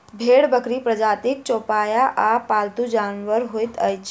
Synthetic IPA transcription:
bʱeɽbəkɾipɾəd͡ʒaːt̪ik̚t͡ʃopajaʔapaːlt̪ud͡ʒaːnʋəɾɦojt̪əjt͡ʃʰ

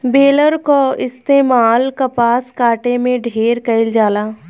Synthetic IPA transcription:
beːləɾkoɪst̪eːmaːlkɐpaːskaːʈemẽɖʱeːɾkɐɪld͡ʒaːlaː

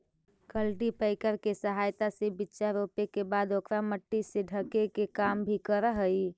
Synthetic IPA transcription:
kəlʈipəɪkəɾkesəɦajt̪asebitːʃaɾopekebad̪okɾaməʈːiseɖʱəkekekambʱikəɾəɦəj

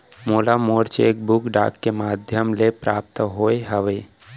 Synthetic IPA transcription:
moːlamoːɾt͡ʃeːk̚bʊkɖa̰ːkːemaːd̪ʱjəmlepɾaːp̚t̪ɦoːeɦəʋeː

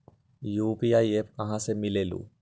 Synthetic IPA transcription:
juːpiajepɐ̃ɦãsemilelṵ

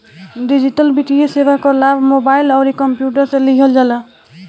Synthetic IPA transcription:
ɖid͡ʒiʈəlbiʈiesebakɔɾlabʱmobailɔɾikɔmpjuʈəɾseliɡʱəld͡ʒalɔ

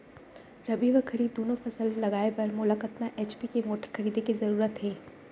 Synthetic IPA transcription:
ɾɐbiːʋəkʰɐɾiːb̚d̪oːnõfɐsəlːɐɡaːepɐɾmʊləkət̪naʔeːt͡ʃpikemoːʈəɾkʰɐɾiːd̪ekizɐɾuːɾət̪ɦɛː

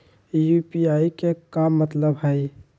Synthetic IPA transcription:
jupiaːikekamːət̪ləbɦɛɪ

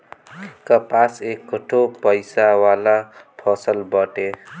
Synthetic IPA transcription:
kʌpasekːoʈʰopʌjsawalapʰʌsəlbʌʈe

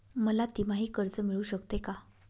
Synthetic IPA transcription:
məlat̪im̤aɦiːkəɾd͡zəmiɭuːɕəkt̪eka

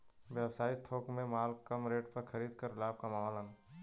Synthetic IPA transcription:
ʋɛːwsaːit̪ʰoːkmẽmaːlkəmɾeːʈpɐɾxʰəɾiːd̪kɐɾlaːb̚kamaʋalən

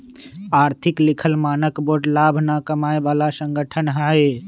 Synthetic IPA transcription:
aːɾt̪ʰɪklɪkʰəlmaːnəkboːʈlaːbʱnakəmaːebaːlasə̃ŋɡʱəʈʰənɦaːe

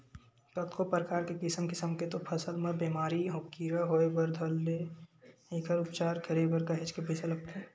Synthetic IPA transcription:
kɐt̪kopɾəkaːɾkekɪsəmkɪsəmket̪opʰɐsəlmɐbeːmaːɾiɦõkiːɾaɦoːebəɾd̪ʱɐlːe | eːkəɾʊpt͡ʃaːɾkʰəɾebəɾkɐɦet͡ʃkebisɐlɐɡ̚t̪ʰeː

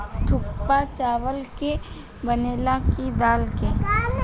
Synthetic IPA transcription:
ʈʰʊkpat͡ʃaːʋəlke | bəneːlakid̪aːlke

